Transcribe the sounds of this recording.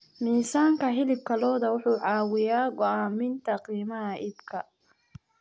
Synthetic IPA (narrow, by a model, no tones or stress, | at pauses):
miːsaːŋkʰɐɦɪlɪb̚kʰɐlɔːðɐwʊħuːʕɑːwɪjaːɡɔaːmɪnt̪ʰɐqiːmɐɦɐʔɪbkʰɐ